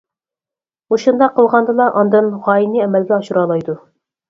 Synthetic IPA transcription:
oʃund̪ɑqʰːəlˠʁɑnd̪ɨlˠɑʔɑnd̪ɨnʁɑːjiniɛmɛlɡʲɛɑʃuɾɑːlˠɑjd̪u

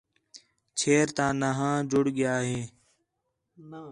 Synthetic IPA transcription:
t͡ʃʰeːɾt̪ãːnaɦãːd͡ʒʊɽɠɪjaːɦeː

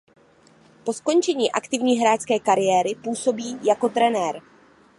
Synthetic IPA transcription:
po̞sko̞nt͡ʃɛɲiːʔakt̪ɪvɲiːɦɾaːt͡skɛːkaɾɪjɛːɾɪpuːso̞biːjako̞t̪ɾɛnɛːɾ

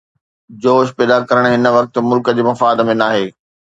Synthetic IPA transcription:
d͡ʑoːʃpɛːd̪akɐɾəɽ̃ɦɪnəʋɐk̚t̪̆mʊlkəd͡ʑeːmɐfaːd̪mẽnaːɦeː

